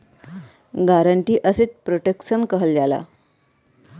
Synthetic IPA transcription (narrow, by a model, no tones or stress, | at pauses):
ɡaɾəɳʈiːʔəseːt͡s̪̚pɾoʈekɕənkəɦəld͡ʑala̰